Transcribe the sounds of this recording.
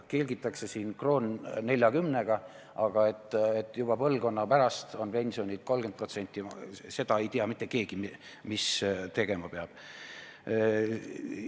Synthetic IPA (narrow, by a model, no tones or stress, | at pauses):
ke̞lʲɡit̪ːˑɑkse̞siːnkro̞ːnne̞lʲjɑɡymne̞ɡ̥ɑ | ʔɑɡ̥ɑe̞t̪ˑːet̪ːˑjub̥ɑpɤlɡ̥o̞nːɑpæɾɑst̪o̞npe̞nʲsionʲilt̪̚ko̞lɡ̥enpro̞t̪se̞nʲt̪ʲːˑise̞d̪ɑe̞jt̪iɑmit̪ːˑe̞ke̞ːɡ̥im | mist̪e̞ɡ̥e̞mɑpeɑb̥